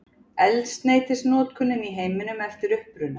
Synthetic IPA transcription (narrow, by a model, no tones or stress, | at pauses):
ɛlst̪neːjt̪ɪsnɔːt̪̚kʰʏnːɪniɦeːjmɪnʏmɛft̪ɪɾʏhpɾʏnːa